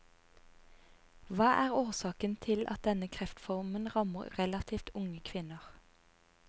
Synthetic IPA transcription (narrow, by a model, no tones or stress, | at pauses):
ʋɑːʔæːʁoːʁsɑːkənt̪ʰɪlʔɑ̰t̪̚d̪ɛnəkʰʁɛft̪fɔʁmənʁɑməʁʁɛlɑt̪ʰiːft̪ʊŋəkʰʋɪnəʁ